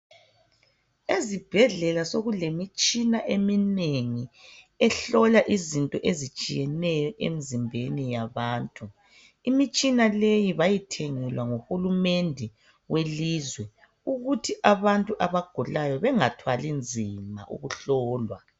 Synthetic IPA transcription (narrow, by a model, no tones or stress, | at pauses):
ezib̥ʱɛɮɛlasoɣulemit͡ʃʼinaʔemineŋi | ɛɬɔlaʔizintʼɔʔezit͡ʃʼijɛnɛjɔʔḛmizimbʱenijaβaːntʼu | imit͡ʃʼinalejiβajitʰeŋilwaŋuhulumendʱɛ | weliːzwɛ | uɣutʰiʔaβantʼuʔaβaɡ̥ʱulajɔβɛŋatʰwalind͡zʱima̰ʔṵɣuɬɔːlwa